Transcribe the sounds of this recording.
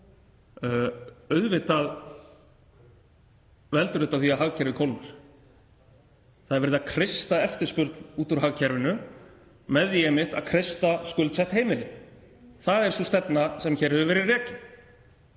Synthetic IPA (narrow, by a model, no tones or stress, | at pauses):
œɥðvɪht̪að | vɛlt̪ʏɾɪht̪aθiaɦaɣcʰɛɾvɪkʰɔlnaɾ̥ | θaðɾvɛɾɪðakʰɾɪst̪aɛft̪ɪɾ̥spʏɾt̪nuːt̪ʏɾ̥ɦaɣcʰɛɾvɪnʏ | mɛðjɛːmɪht̪a̰ðkʰɾɪst̪askʏlt̪sɛht̪heːjmɪlɪ | θaðɛɾ̥sust̪ɛt̪nasɛmçɛɾ̥hɛvʏvɛːɾɪrɛːcɪn